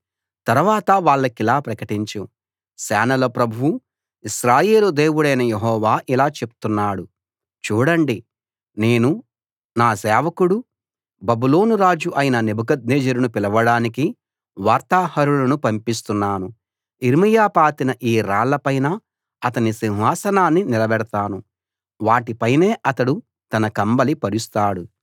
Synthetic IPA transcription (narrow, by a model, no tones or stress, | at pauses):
t̪ɐɾuʋaːt̪ɐʋaːɭːɐkilaːpɾɐkɐʈiɲt͡ʃu | sɛːnɐlɐpɾɐbʱuwu | iʃɾaːje̞ːlud̪e̞ːwuɽɐjnɐjeɦɔːʋaːʔilaːt͡ʃe̞pu̥t̪unːaːɽu | t͡ʃuːɽɐɳɖi | ne̞ːnu | naːsɛːʋɐkuɽu | bɐbulo̞ːnuɾaːd͡ʒuʔɐjinɐne̞bʱukɐd̪̚neːd͡ʒɐɾunupilɐʋɐɽaːniki | ʋaːɾt̪aːhɐɾulɐnupɐmpist̪unːaːnu | iɾmɐjaːpaːt̪inɐʔiːɾaːɭːɐpɐjnɐ | ɐt̪ɐnisiwɦaːsɐnaːnːinilɐbɛɽt̪aːnu | ʋaːʈipɐjne̞ːʔɐt̪ɐɽu | t̪ɐnɐkɐmbɐlipɐɾust̪aːɽu